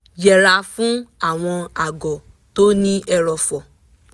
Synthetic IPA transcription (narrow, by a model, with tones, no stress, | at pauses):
jɛ˨ɾa˧fũ˦a˨w̃ɔ̃˧a˨ɡɔ˨ | t̪o˦nĩ˦ʔɛ˧ɾɔ˧fɔ˨